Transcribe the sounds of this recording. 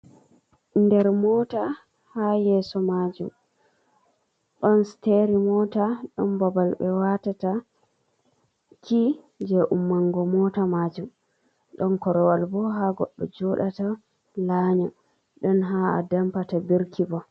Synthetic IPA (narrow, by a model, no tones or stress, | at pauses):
ndɛɾmɔta | hajɛsɔmad͡ʒṵm | ɗɔnsteɾimɔtaɗɔnbabalbɛwatata | kʰi | d͡ʒɛʔumːaŋɡɔmɔːtamad͡ʒum | ɗɔnkɔɾɔwalbɔɦaɡɔ̰ɗːɔ̰d͡ʒɔɗata | laɲa | ɗɔnɦaa̰dampatabiɾkʰibɔ